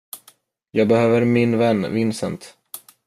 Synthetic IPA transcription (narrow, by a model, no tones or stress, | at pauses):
jɑːɡ̚bɛhøːvəɾmɪnvɛnːvɪnsə̰nt̪